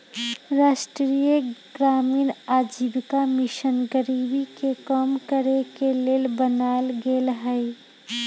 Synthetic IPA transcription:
ɾaːsʈɾɾijəɡɾaːmiːnaːd͡ʒibkamɪʃənɡəɾibikekɔmkəɾekeleːlbənaːlɡeːlɦəɪ

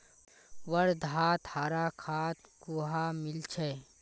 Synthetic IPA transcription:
ʋəɾd̪ʱaːt̪haːɾakʰaːt̪kuɦamɪlt͡ʃʰeː

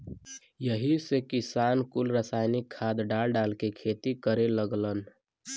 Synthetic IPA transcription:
jəɦisekisankulɾəsajnikʰːad̪ɖalɖalkekʰet̪ikəɾeləɡlən

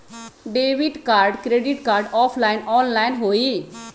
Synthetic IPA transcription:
ɖeːʋɪʈkaːɾɖkɾeːɖɪʈkaːɾɖɔːpʰlaːɪnɔːnlaːɪnɦoːiː

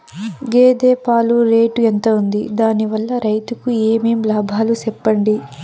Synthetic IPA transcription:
ɡeːd̪eːpaːluɾeːʈuent̪ɐund̪id̪aːniʋɐlːɐɾɐjt̪ukueːmeːmlaːbʱaːlusɛpːɐɳɖi

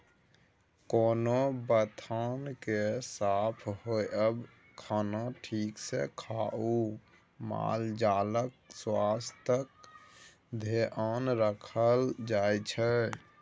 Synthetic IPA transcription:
koːnobət̪ʰankesapʰhojəb | kʰaːnaʈʰiːksḛkʰaʔu | ma̰ld͡ʒaːlək̚swast̪ək̚ | d̪ʱeʔanɾəkʰəld͡ʒajt͡ʃʰɛ

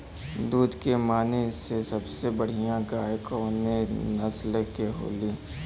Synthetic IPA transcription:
d̪uːd̪kemaːnesesɐbsebəɽ̤ijãɡaːjkonenɐslekeɦo̰ːliː

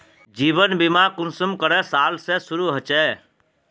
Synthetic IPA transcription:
d͡ʒiːbənbimakʊnsəmkəɾɛsaːlsesʊɾuɦət͡ʃɛː

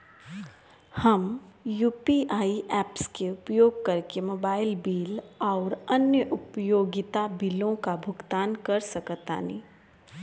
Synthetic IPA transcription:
hɐmjuːpiʔaːiʔɛːpskeʊpjoːɡ̚kɐɾkemoːbaːɪlbiːlɔːɾɐnjəʔʊpjoːɡɪt̪abiːlõkabʱʊɡt̪aːnkɐɾsɐkt̪a̰ːnḭː

